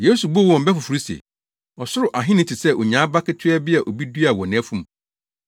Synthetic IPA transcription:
je˦su˨bʊ˦˨wɔ̃˨m˨bɛ˦fʊ˨fu˨ɾi˦sḛ˨ | ɔ˨sʊ˦ɾʊ˨ʔa˨ɦɪ̃˦nɪ̃˨tʰɪ˨sɛ˦ʔo˨ɲã˨˦ba˦kɪ˦tʰɪ˦ɛ˦bɪ˦a˨ʔo˨bi˦du˦a˨wɔ˨nɪ̃˨æ˦fũ˦m˨

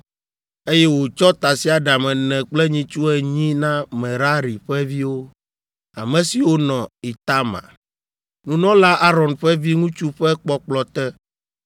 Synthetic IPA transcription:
e˦jɛ˦wo˨t͡ʃɔ˦t̪a˨si˦a˨ɖa˨mɛ̃˨nɛ̃˨k͡plɛ˦ɲĩ˦t͡ʃu˦ɛ˨ɲĩ˦nã˦mɛ̃˨ɾa˦ɾi˨ɸɛ˦vi˦wo˦ | a˨mɛ̃˨si˨wo˦nɔ̃˨i˨t̪a˦mã̰˨ | nũ˦nɔ̃˦la˦ʔa˦ɾɔ˨nɸɛ˦vi˦ŋũ˦t͡ʃu˦ɸɛ˦k͡pɔ˦k͡plɔ˨t̪ɛ˦

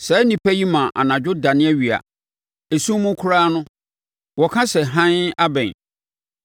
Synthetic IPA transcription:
sɛ˨˦nĩ˨pʰæ˦ji˦mã˨ʔa̰˨nã˨d͡ʑᶣʊ˦da˨nɪ̃˦æ˦ɥi˨a̰˨ | e˨sũ˦mʊ̃˦kʰʊ˦ɾaː˦nʊ̃˦ | wɔ˨kʰã˦sɛ˨ɦã˦na˦bɛ̃˨n

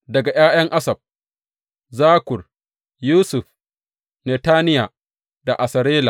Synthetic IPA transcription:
dɐ˨ɡa˨jaː˦j̰ɐ˦ŋʔa˦sɐ˨b̚ | zaː˦kʷʊ˨r | juː˦sʊ˨ɸ | neː˨taː˦nɪ˦ja˨ | da˨ʔa˨sɐ˨ɾeː˦la̰ː˨

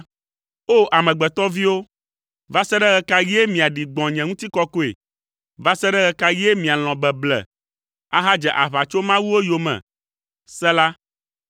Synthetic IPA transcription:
o˦ʔa˨mɛ̃˨ɡ͡bɛ˨t̪ɔ˦vi˦wo˦ | va˦sɛ˦ɖɛ˦ɣɛ˨ka˦jɛ˦mĩ˨a˨ɖi˨ɡ͡bɔ̃˨ɲɛ̃˨ŋũ˦t̪i˦kɔ˦ko˦ḛ˨ | va˦sɛ˦ɖɛ˦ɣɛ˨ka˦jɛ˦mĩ˨a˨l̃ɔ̃˨bɛ˨blɛ̰˨ | a˦ɦa˦d͡ʒɛ˨ʔa˨βa˨t͡ʃo˦mã˦wu˦wo˦jo˨mɛ̰̃˨ | sɛ˦la˦

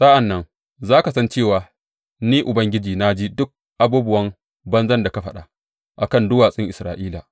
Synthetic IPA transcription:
sʼa˦ʔa˨nːɐ˦ŋ | zaː˦ka˨sɐ˦nt͡ʃeː˦˨waː˨ | niː˦ʔʊ˨bɐ˦ŋɡʲɪ˦d͡ʒiː˨na˦d͡ʒiː˦dʊ˦k̚ | ʔa˨˦buː˦bʊ˦wɐ˦m | bɐ˦nzɐ˦nda˨ka˦ɸɐ˦ɗa˨ | ʔa̰˨kɐ˦˨ndʊ˦waː˨sʼɪ˦ŋʔɪ˨sɾa̰ː˨ʔiː˦la˨

